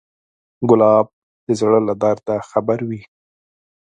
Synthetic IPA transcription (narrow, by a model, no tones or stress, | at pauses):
ɡʊlɑb̚ | d̪̥əzɽəlad̪ɑɾd̪axabaɾwi